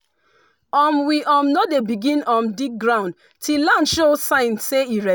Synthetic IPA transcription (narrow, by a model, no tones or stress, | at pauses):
ɔ̃mwiʔɔ̃mnodebiɡĩnɔ̃mdik̚ɡɹãʊ̃nd | tʰilãndʃosãɪ̃nseiɹɛ